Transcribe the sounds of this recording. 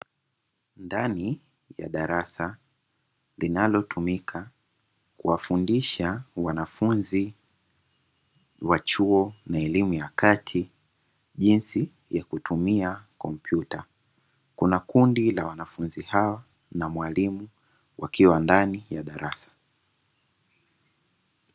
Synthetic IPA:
ndani | ja̰ɗaɾasa | linalɔtʰumikʰa | kuwafundiʃawanafunzi | wat͡ʃuɔnaɛlimujakatʰi | ʄinsi | jakutʰumiakɔm̩pʰjuta | kunakundilawanafunzihawa | namwalimu | wakiwandanijaɗaɾasḁ

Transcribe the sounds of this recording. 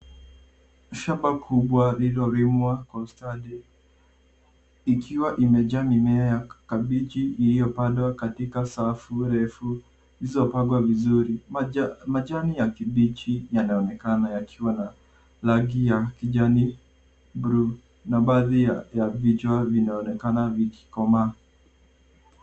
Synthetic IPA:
ʃaɓakʰuɓwalilɔɾimuakwaustadɛ | ikʰiwaʔimɛʄamimɛajakaɓit͡ʃiːlijɔpaɗwakatikasafuɾɛfu | lizɔpaɡwavizuɾi | maʄanijakibit͡ʃijanaɔnɛkanajakʰiwana | laɡijakiʄani | bɾu | naɓaðijavit͡ʃwavinaɔnɛkanaviki̥kɔma

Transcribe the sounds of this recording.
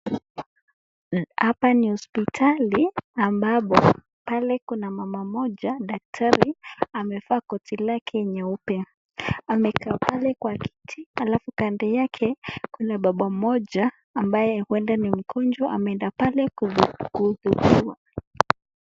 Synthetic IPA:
hapanihɔspitʰaliambapɔ | palɛkunamamamɔʄaɗak̚tʰaɾiamɛfaːkɔtilakʰɛɛɲɛupɛ | amɛkapalɛkwaki̥tʰihalafukandɛjakʰɛkunaɓaɓamɔʄaː | mbajɛhuɛndanim̩kʰɔnd͡ʒwɔʔa̰mɛɛndapalɛkukuðuɾuwa

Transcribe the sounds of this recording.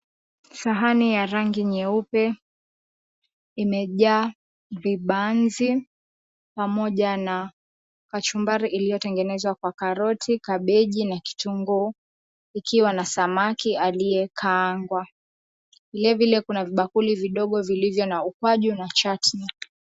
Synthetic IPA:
saɦanijaɾaŋɡiɲɛupɛ | imɛʄaː | viɓanzi | pamɔʄana | kat͡ʃumbaɾiʔilijɔtɛŋɡɛnɛzwakwakaɾɔtʰikaɓɛʄinaki̥tuŋɡu | ikʰiwanasamakialijɛkʰaːŋɡwa | vilɛvilɛkunaviɓakuliviɗɔɠɔvilivjɔnaukwaʄunat͡ʃatni

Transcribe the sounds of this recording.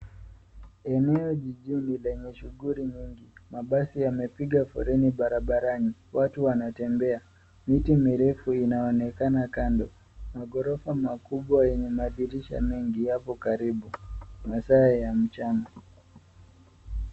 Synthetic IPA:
ɛnɛɔʄiʄunilɛɲɛʃuɠuliɲiŋɡimaɓasijamɛpiɠafɔ̰ɾɛniɓaɾaɓaɾaniwatuwanatɛmbɛa | mitimiɾɛfuinaɔnɛkanakandɔ | maɠɔɾɔfamakuɓwajɛɲɛmaɗiɾiʃa̰mɛŋɡijapɔkaɾiɓumasaɛjam̩t͡ʃana

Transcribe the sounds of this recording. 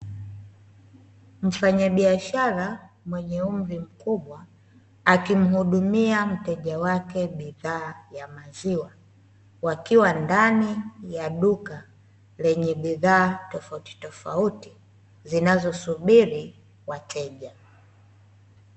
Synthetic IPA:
m̩faɲaɓiaʃaɾa | mwɛɲɛum̩ɾim̩kuɓwa | akim̩huɗumiam̩tɛʄawakɛɓiðaːjamaziwa | wakiwandanijaɗuka | lɛɲɛɓiðaːtɔfauti̥tɔfauti̥ | zinazɔsuɓiɾi | watʰɛʄa

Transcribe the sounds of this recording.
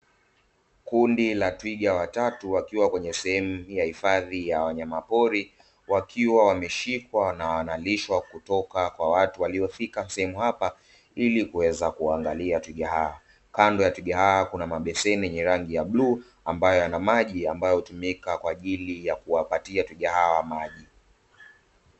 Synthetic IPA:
kundilatwiɠawatatuwakiwakwɛɲɛsɛhɛmujahifaðijawaɲamapɔɾi | wakiwawamɛʃikwanawanaliʃwakutɔkakwawatuwaliɔfikasɛhɛmuhapa | ilikuwɛzakuwaːŋɡaliatwiɠaɦaa | kandɔjatwiɠaɦaːkunamaɓɛsɛniɛɲɛɾaŋɡijaɓluː | ambajɔjanamaʄiambajɔhutumikakwaːʄilijakuwapatiatwiɠaɦawamaʄi

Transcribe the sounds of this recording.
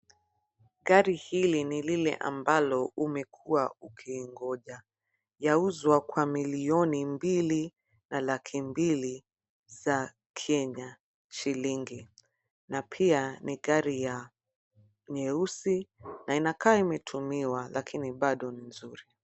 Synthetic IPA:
ɠaɾihilinililɛ̰ʔa̰mbalɔumɛkʰuaukʰiːŋɡɔʄa | jauzwakwamiliɔnimbili | nalakʰimbili | za | kʰɛɲa | ʃiliŋɡi | napʰianiɡaɾija | ɲɛusinainakaːimɛtʰumiwalakʰiniɓaɗɔninzuɾi

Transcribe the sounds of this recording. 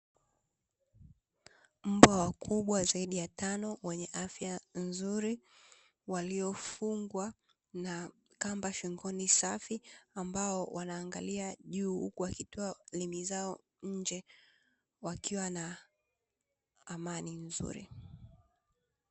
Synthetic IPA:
m̩bwawakʰuɓwazaiɗijatanɔwɛɲɛʔafjanzuɾi | waliɔfuŋɡwa | na | kambaʃiŋɡɔnisafiambaɔwʔanaːŋɡa̰liaʄuːhṵkuwakitɔalimizaɔ | ɲ̩d͡ʒɛ | wakiwana | maninzṵɾḭ

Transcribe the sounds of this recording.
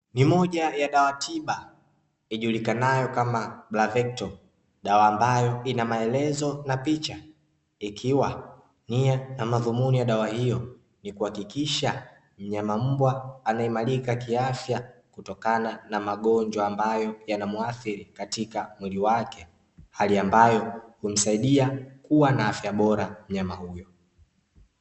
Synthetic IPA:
nimɔʄajaɗawatʰiɓa | iʄulikanajɔkamablavɛk̚tɔ | ɗawaːmbajɔinamaɛlɛzɔnapit͡ʃa | ikʰiwa | nianamaðumunijaɗawahijɔ | nikuhakikiʃa | m̩ɲamam̩bwaːnaimalikakiafjakutɔkananamaɠɔɲd͡ʒwaːmbajɔjanamuaθiɾikatikamwiliwakʰɛ | haliambajɔhum̩saiɗiakuwanaafjaɓɔɾam̩ɲamahujɔ

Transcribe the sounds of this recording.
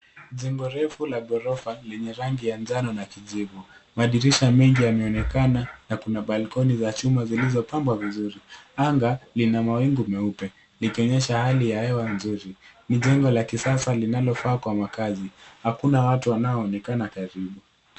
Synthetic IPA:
ʄiŋɡɔɾɛfulaɠɔɾɔfalɛɲɛɾaŋɡijand͡ʒanɔnakiʄivumaɗiɾiʃamɛŋɡijamɛɔnɛkananakunaɓalkɔnizat͡ʃumazilizɔpambwavizuɾiaŋɡalinamawiŋɡumɛupɛ | likiɔɲɛʃahalijaɛwanzuɾiniʄɛŋɡɔlakisasalinalɔfaːkwamakazihakunawatuwanaɔːnɛkanakaɾiɓu

